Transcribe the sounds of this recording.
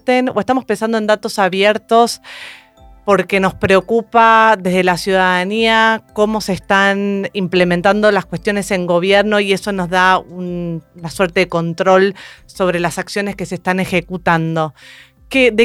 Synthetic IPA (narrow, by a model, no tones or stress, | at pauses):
t̪enoʔe̞st̪amo̞spe̞nsand̪oend̪at̪o̞saβjeɾt̪o̞s | po̞ɾke̞no̞spɾeo̞kupaðe̞zðelasjuðaðaniako̞mo̞sest̪animplemẽnt̪and̪olaskwest̪jo̞ne̞se̞ŋɡo̞β̞jeɾno̞ie̞so̞no̞zðaunnasweɾt̪e̞ðeko̞nt̪ɾo̞lso̞β̞ɾe̞lasaksjone̞ske̞seːst̪ane̞xe̞kut̪and̪o̞ | keðe